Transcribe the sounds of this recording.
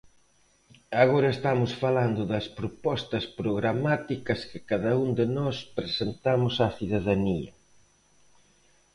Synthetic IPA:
aɣoɾɐest̪amʊsfaland̪ʊðɐspɾopɔst̪ɐspɾoɣɾamat̪ikɐskɪ̥kaðɐund̪ɪnɔspɾesent̪amʊsaθiðaðaniɐ

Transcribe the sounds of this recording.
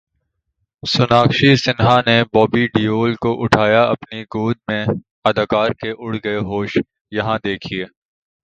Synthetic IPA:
sʊnaːkʃisɪnɦanebɔːbiɖiːoːlkoʔʊʈʰaːjaɐpniɡoːd̪̚mẽ | ɐd̪aːkaːɾkeʔʊɽ̤ɡɐeɦoːʃ | jɐɦãd̪eːkʰieː

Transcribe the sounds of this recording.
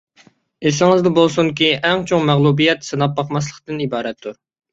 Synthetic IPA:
esɪŋɪzd̪ɛbolˠsuŋkʲiʔɛŋt͡ʃʰoŋmæʁlˠubijɛt̪sɨnɑp̚ːɑqmɑslˠəqt̪ɨnibɑːɾɛt̪ʰːuɾ

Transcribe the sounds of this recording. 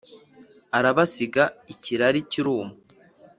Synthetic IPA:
aɾaβasiɡaiciɾaɾiciɾuːmu

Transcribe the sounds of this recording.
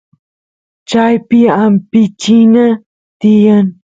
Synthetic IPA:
t͡ʃajpɪampɪt͡ʃina | t̪ɪjan

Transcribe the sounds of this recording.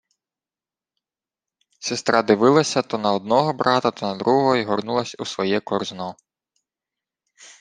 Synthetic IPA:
sʲest̪ɾɑd̪ɪʋɪlˠɐsʲɐt̪ɔnɐɔd̪̚nɔɦɔbɾɑt̪ɐt̪ɔnɐd̪ɾuɦɔɦɔiɦɔrnulˠɐsʲusʋɔjɛkɔrznɔ

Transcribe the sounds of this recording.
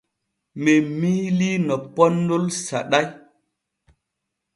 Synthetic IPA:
memilinɔpɔnːolsa̰ɗaj

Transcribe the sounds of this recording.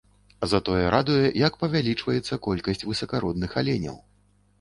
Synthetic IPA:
ɐzɐt̪ɔjɛɾʔad̪ujɛjɐkpɐvʲalʲit͡ʂvɐjɛt̪sːɐkɔlʲkɐsʲt͡sʲvɨsɐkaɾɔd̪nɨxalʲenʲɐ̰w

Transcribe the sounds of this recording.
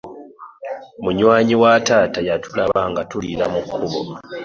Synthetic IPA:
muɲwaːɲiwataːtajatʰulaβaŋɡatuliɾamukʰːuβo̰

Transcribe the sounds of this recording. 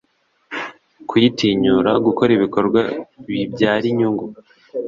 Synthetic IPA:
kwitiːɲuɾaɡuko̞ɾiβiko̞ɾɡwaβibɟaːɾiɲuŋɡu

